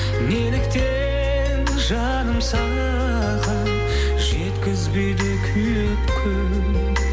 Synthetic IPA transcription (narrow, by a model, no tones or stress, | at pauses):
melɪkt̪e | n | ʒɑ | nəmsɑnɑ | ɑ | ʁɑn | ʒet̪kʲɪzbe̞jd̪ekʲʰʏjepkʲʰʏ